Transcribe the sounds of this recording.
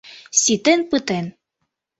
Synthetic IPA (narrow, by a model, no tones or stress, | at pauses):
sʲit̪enpɯt̪en